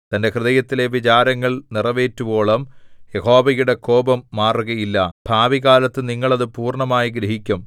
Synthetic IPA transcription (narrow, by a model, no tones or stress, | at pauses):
t̪ɐnde̞krɨðɐjɐt̪ːile̞ʋit͡ɕaːɾɐŋːɐɭnirɐʋe̞ːtːubo̞ːɭɐmjeho̞ːbɐjuɽe̞ko̞ːbɐmːaːruɣɐjilːɐb̥ʱaːʋiɣaːlɐt̪ːɨniŋːɐɭɐðɨpuːrɳɐmaːjiɡɾɐɦikʲːum